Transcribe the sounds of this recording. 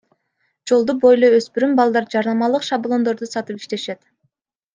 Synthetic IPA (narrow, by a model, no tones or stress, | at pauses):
d͡ʒo̞lˠd̪ubo̞jlˠoøspyɾymbɑlˠd̪ɑɾd͡ʒɑɾnɑmɑlˠɯqʃɑblˠo̞nd̪o̞ɾd̪usɑt̪ɯpi̥ʃt̪e̞ʃe̞t̪